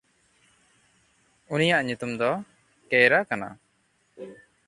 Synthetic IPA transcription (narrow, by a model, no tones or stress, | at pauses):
unijaʔɲut̪umd̪ɔ | kɛɾakana̰